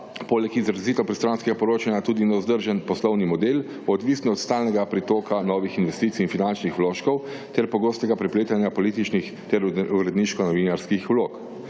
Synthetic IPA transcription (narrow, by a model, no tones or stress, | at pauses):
poːlɛkizɾziːt̪ɔpɾɛst̪ɾanskɛɡapɔɾoːt͡ʃanjat̪uːd̪inaɔzd̪əɾʒənpɔslɔwnimɔd̪el | ɔd̪ʋisnɔɔt̪st̪aːlnɛɡapɾit̪oːkanɔːʋixinʋɛst̪it̪siːnfinant͡ʃnixwloːʃkɔw | t̪ɛɾpɔɡoːst̪ɛɡapɾɛpleːt̪anjapɔliːt̪it͡ʃnix | t̪ɛɾuɾɛd̪niʃkɔnɔʋiːnaɾskixwloːk